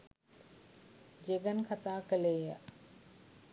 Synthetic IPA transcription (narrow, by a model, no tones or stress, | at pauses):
d͡ʒeɡənkʰat̪aːkəleːjə̰